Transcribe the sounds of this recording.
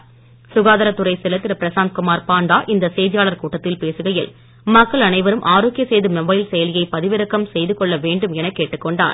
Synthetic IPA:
sʊɣaːðɐɾɐt̪ːʊɾɐɪsɪlɐt̪ːɪɾɐpɪɾɐsaːnt̪̚kʊmaːɾpaːnd̪aːʔɪnd̪ɐsɛjðɪjaːɭɐɾkuːʈːɐt̪ːɪlpeːsɯɣɐjɪl | mɐkːɐɭɐnɐɪʋɐɾɯmʔaːɾoːkːɪjɐsejðɯmɛbɐɪlsɛjɐlɪjɐɪpɐðɪʋɪɾɐkːɐmsɛjðɯkɔɭːɐʋeːɳɖɯmɛnɐkːeːʈːɯkːɔɳɖa̰ːɾ

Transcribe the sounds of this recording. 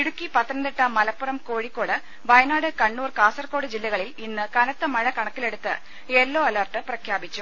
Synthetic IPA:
iɽukːipɐt̪ːɐnɐnd̪eʈːɐmɐlɐpːɐrɐmko̞ːɻikːo̞ːɽɨ | bɐjɐnaːɽɨkɐɳːuːrkaːsɐrko̞ːɽɨd͡ʑilːɐɣɐɭilinːɨkɐnɐt̪ːɐmɐɻɐkɐɳɐkːile̞ɽut̪ːɨ̰ | elːoːɐlɐrʈːɨprɐkʰjaːbit͡ɕːu

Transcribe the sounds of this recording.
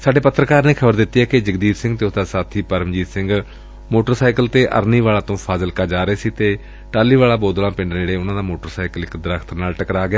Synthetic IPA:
saːɖeːpət̪ːɾəkaːɾnẽːkʰəbəɾd̪ɪt̪ːiːɛːkɪd͡ʒəɡd̪iːɾsɪ̃ŋɡt̪eːʊsd̪aːsaːt̪ʰiːpəɾəmd͡ʒiːt̪sɪ̃ŋɡ | moːʈəɾsaːɪkəlt̪eːʔə̰ɾniːʋaːlaːt̪õːpʰaːzəlkaːd͡ʒaːɾəeːsiːt̪eː | ʈaːlːiːʋaːlaːboːd̪lãːpɪ̃ɳɖneːɽeːʊnãːd̪aːmoːʈəɾsaːɪkəlɪkd̪əɾəkʰt̪naːlʈəkɾaːɡɪjaː

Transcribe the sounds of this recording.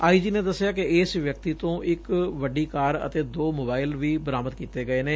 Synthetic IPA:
aːiːd͡ʒiːneːd̪əsːjaːkɪɪːsʋjək̚t̪iːt̪õːʔɪkʋəɖiːkaːɾə̰t̪eːd̪oːmoːbaːɪlʋiːbəɾaːməd̪̚kiːt̪eːɡəeːneː

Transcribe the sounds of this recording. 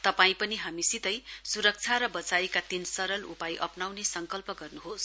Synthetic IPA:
t̪ʌpaĩpʌniɦamisit̪ʌjsuɾʌk̚t͡sʰaɾʌbʌt͡sajkat̪insʌɾʌlupajʔʌpnawnesʌŋkʌlpʌɡʌrnuɦos

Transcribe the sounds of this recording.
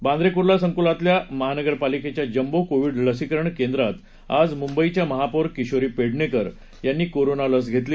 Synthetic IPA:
bãnd̪ɾekuɾlasəŋkulat̪ljaməɦanəɡəɾpaliket͡ɕjad͡ʑəmbokoʋiːɖləsikɾəɳkẽnd̪ɾat̪ | ad͡zmumbəit͡ɕjaməɦapoɾkiɕoɾiːpeɽɳekəɾ | janːiːkoɾonaləs̬ɡʱet̪li

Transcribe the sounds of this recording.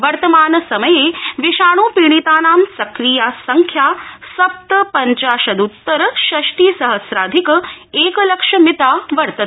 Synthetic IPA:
ʋɐɾt̪ɐmaːnɐsɐməjeːʋiʃaːɳ̃oːpiːɳ̃it̪aːnaːmsɐkɾiːjaːsɐŋkʰjaːsɐp̚t̪əpɐɲt͡ʃaːʃɐd̪ut̪ːɐɾɐʃɐʃʈiːsɐɦɐsɾaːd̪ʱikeːkɐlɐkʂɐmit̪aːʋɐɾt̪ɐ

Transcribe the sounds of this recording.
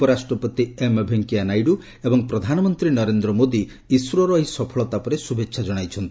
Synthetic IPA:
pɔɾasʈɾɔpɔt̪iemebʱeŋkianajɖu | ebɔŋpɾɔd̪ʱanɔmɔnt̪ɾinɔɾend̪ɾɔmod̪i | iswɾɔɾɔisɔpʰɔɭɔt̪apɔɾesubʱekːʃʰad͡ʒɔɽ̃ajt͡ʃʰɔnt̪ʰi̥

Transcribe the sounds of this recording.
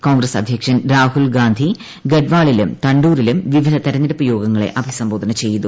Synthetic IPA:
ko̞ːŋɡɾɐsɐ̰d̪ʱjɐkʂɐnɾaːhulɡaːnd̪ʱi | ɡeɖʋaːɭilumt̪ɐɳɖuːɾilumʋiʋid̪ʱɐt̪ɐɾɐɲːɐɾɐpːujo̞ːɡɐŋːɐɭḛʔɐbʱisɐmbo̞ːd̪ʱɐnɐt͡ɕe̞jːɐðu

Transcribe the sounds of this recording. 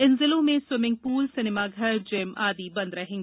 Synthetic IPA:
ɪnzɪlõmẽswɪmɪ̃ŋɡ̚puːlsɪnɪmaɡʱɐɾd͡ʒɪmaːd̪ibɐ̃nd̪ɾɐɦẽːŋɡ

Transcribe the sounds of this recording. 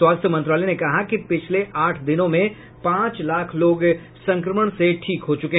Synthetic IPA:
swaːst̪ʰjəmɐ̃nt̪ɾaːlɛnekɐɦakipɪt͡ʃʰleʔaːʈʰd̪ɪnõmẽ | pãːt͡ʃlaːkʰloːɡ | sɐ̃ŋkɾəməɽ̃seʈʰiːkɦot͡ʃʊkeɦ

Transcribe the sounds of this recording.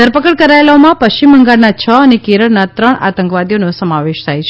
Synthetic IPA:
d̪ʱəɾpəkəɭkəɾaelaomãpəʃt͡ʃimːəŋɡaɭnat͡ʃʰəənekeɾəɭnat̪ɾəɳa̰t̪ə̃ŋkʋad̪jonosəmaʋeʃt̪ʰajt͡ʃʰe

